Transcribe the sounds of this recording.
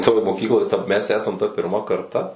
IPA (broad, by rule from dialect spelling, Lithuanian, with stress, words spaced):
toːj moːˈkʲiːklˠoːj tɐ mʲɛs ˈæːsɐm tɑː pʲɪrˈmɐ kɐrˈtɐ